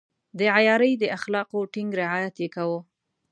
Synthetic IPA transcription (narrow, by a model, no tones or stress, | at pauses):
d̪əʕajɑɾəjd̪əʔaxlɑqoʈɪŋɡɾɪʕɑjat̪jekawo